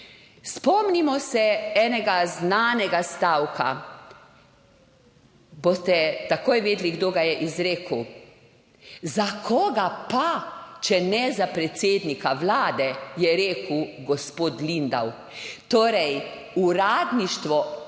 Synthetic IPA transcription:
spɔmnimɔsɛɛːnɛɡaznaːnɛɡast̪awkʰa̰ | bost̪ɛt̪akoːjʋeːd̪liɡd̪oːɡajɛʔizɾeːkəw | zakʰɔːɡapat͡ʃɛnɛzapɾɛt̪seːd̪nikaʋlaːd̪ɛjɛɾeːkəwɡɔspoːt̪lind̪a̰w | t̪oːɾɛj | uɾaːd̪niʃt̪ʋɔ

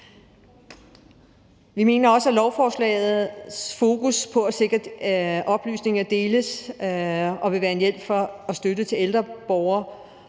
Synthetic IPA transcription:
ʋime̝ːnɐɒ̽səælɒʊfɒːslɛ̰ːð̩ˠsfo̝ːkuspʰɒ̽æse̝ɡ̥ɐd̥ɒ̽b̥ly̰ːsne̝ŋɐd̥e̝ːləs | ɒ̽ʋe̝ʋæːɐe̝njel̰b̥fɒ̽ːsd̥ødət͡sʰe̝leld̥ʁɐb̥ɒʊɐ

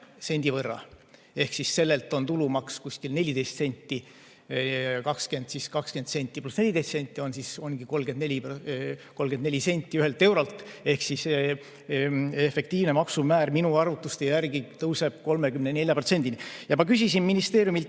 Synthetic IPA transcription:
se̞nʲd̪̥ivɤrːɑ̰ | e̞hksisːe̞lːe̞lt̪ˑont̪ulumɑkskusʲkilne̞lʲːid̪e̞jst̪se̞nʲt̪ːi | kɑkske̞nd̪siskɑkske̞nd̪se̞nʲt̪ʲːˑiplusne̞lʲid̪est̪se̞nʲt̪ʲːˑio̞nsiso̞nɡ̥iko̞lɡend̪nlʲi | ko̞lːɡ̥end̪nelʲise̞nʲt̪ʲːˑiyɦe̞lt̪ːˑe̞wɾolt̪e̞hksise | efe̞kt̪iːvnemɑksumæːɾminuɑrvut̪ːˑust̪ejjærɡit̪ɤwse̞b̥̚ko̞lme̞kymnene̞lʲjɑpro̞t̪se̞nʲd̪inijɑmɑkysʲisinminist̪e̞ːɾjumilt̪

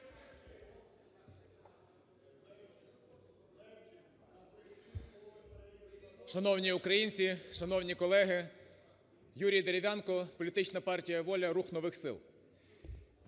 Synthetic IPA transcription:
ʃɐnɔwnʲiukɾɐjinʲt͡sʲiʃɐnɔwnʲikɔlˠɛɦɪ | juɾʲijd̪eɾʲɪʋʲɑnkɔpɔlʲit̪ɪt͡ʃnɐpɑrtʲijɐʋɔlʲɐɾuxnɔʋɪxsɪ̰lˠ

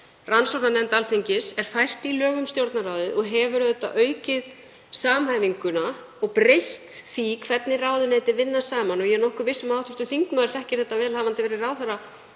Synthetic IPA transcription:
ransowɾnanɛnt̪alθeɲcɪsɛɾ̥fajr̥t̪ilœːɣʏmst̪jowɾt̪naɾaːwðɪʔɔɣɦɛvʏɾœðʏt̪ːaʔœːɥcɪð | saːmhaːjviŋkʏna | ɔɣpɾejht̪θikʰvɛt̪nɪraːwðʏneːjt̪ɪvɪnːasaːmanɔɣjɛnɔhkʏɾvɪsʏmawt̪ʰʏst̪ʏθiŋknmaðɾ̥θɛhcɪ̥θɛht̪ːavɛːlhavant̪ɪvɛːɾɪraːwθaɾa

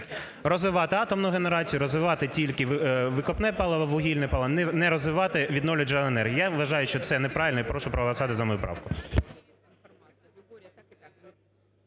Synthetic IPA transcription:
rɔzʋɪʋɑt̪ɪɑt̪ɔmnʊɣeneɾɑt͡sʲijʊɾɔzʋɪʋɑt̪ɪtʲilʲkɪʋʋɪkɔpnɛpɑlˠɐʋɐʋʊɦʲilʲnɛpɑlˠɐnnɛɾɔzʋɪʋɑt̪ɪʋʲid̪nɔʋwlʲɐd͡ʒɐlˠɛnɛrɦjijaʋɐʒɑjʊʃt͡ʃɔt̪sɛnɛpɾɑʋʲɪlʲnɔipɾɔʃʊpɾɔɦlˠɐsɑt̪ɪzɐmɔjupɾɑ̰wkʊ

